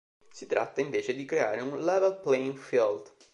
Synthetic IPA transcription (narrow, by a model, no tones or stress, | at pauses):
sit̪ɾʔa̰t̪ːaiɱveːt͡ʃed̪ikɾea̰ːɾeunlɛvelplɛiŋfild̪